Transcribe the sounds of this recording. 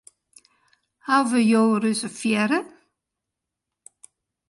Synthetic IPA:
hawvəjoːrøsəfjɛɾə

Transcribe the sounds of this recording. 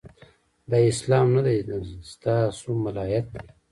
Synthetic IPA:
d̪ɑɪslɑːmnad̪ajst̪ɑsumalɑːjat̪̚d̪e

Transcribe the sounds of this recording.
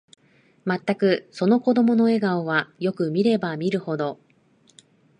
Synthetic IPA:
mat̪ːakɯ̟so̞no̞ko̞d̪o̞mo̞no̞e̞ɡaoβajo̞kɯ̟mʲiɾe̞bamʲiɾɯ̟ho̞d̪o̞

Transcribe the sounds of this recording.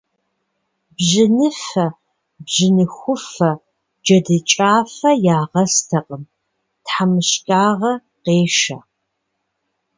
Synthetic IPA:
bʑɪnɨfɐ | bʑɪnɨxʷʊfɐ | d͡ʒɐdɨt͡ʃʼaːfɐjaːʁɐstʰɐqʼəm | tħamɨɕkʼaːʁɐ | qeːʃɐ̰

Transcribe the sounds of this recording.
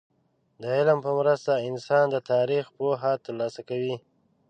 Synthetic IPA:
d̪əɪlmpəmɾəst̪aɪnsɑnd̪ət̪ɑɾixpoɦat̪əɾlɑsakawi

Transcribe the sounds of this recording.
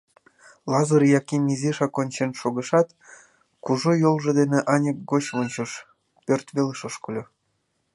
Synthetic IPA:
lˠɑzɤrjɑkemʲiziʃɑkonʲt͡ɕenʃoɣɤ̆ʃɑt̪ | kuʒojolˠʒɤ̆d̪eneʔɑnʲək̚ɡot͡ɕβonʲt͡ɕɤʃ | pørt̪βeləʃɤʃkolʲo

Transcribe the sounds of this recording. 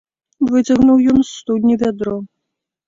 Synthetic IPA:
vɨt͡sʲɐɣnuwjɔnsːt̪ud̪ʲnʲivʲad̪ɾɔ

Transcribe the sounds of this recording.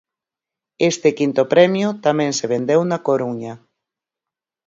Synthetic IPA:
est̪ɪkint̪opɾɛmjʊt̪amɛ̃nseβ̞end̪ewnakoɾuɲa

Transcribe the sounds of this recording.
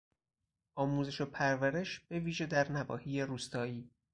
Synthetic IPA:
ʔɒːmuːze̞ʃo̞pʰæɾvæɾe̞ʃb̥e̞viːʒe̞d̪æɾnævɒːhiːjeɾuːst̪ɒːiː

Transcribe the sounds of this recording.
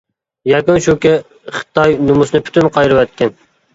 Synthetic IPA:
jɛkunʃukʲɪ | χɨ̥t̪ɑjnumusnɨpʰy̥t̪ynqʰɑjɾɨwɛt̪̚kʲʰɛn

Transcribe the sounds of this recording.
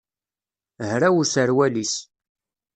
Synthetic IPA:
hɾæwusəɾwælis

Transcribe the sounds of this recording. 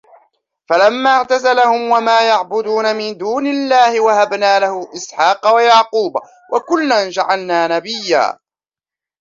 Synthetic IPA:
falamːaːʕt̪azalahʊmwamaːjaʕbʊd̪uːnamɪnd̪uːnɪlːaːhɪwahabnaːlahʊʔɪsħɑːqɑwajaʕquːb | wʔakʊlːand͡ʒaʕalnaːnabɪjːa̰ː

